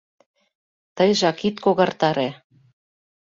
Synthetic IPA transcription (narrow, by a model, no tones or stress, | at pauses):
t̪əjʒɑkit̪koɣɑrt̪ɑɾe